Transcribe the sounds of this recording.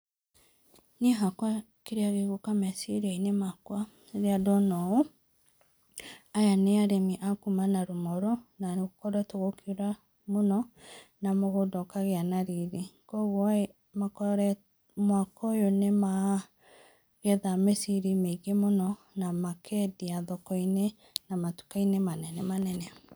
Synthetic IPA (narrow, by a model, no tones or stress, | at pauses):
niɦakwa | keɾeaɣeɣokamɛsiɾieinemakwa | ɾeadɔnɔo | ajaneaɾemiʔakumanaɾomɔɾɔnaɣokɔɾɛtoɣokuɾa | monɔnamoɣodɔkaɣeanaɾiɾekɔɣwɔ | makɔɾɛ | mwakɔjonema | ɣɛðamesiɾimeiɣemonɔ | namakʰɛdiaðɔkɔine | namatu̥kainemanɛnɛmanɛnɛ